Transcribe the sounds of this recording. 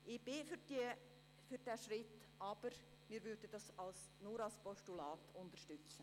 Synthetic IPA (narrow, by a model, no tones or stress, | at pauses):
ʔɪb̥ɪfdi | fyɾdɛːʃrɪt | ʔɑːb̥əɾ | miːɾvʏɾdəd̥ɑsɑls | nuɾɑlspɔʃtulɑːtʰʊndəʃtʏt͡sə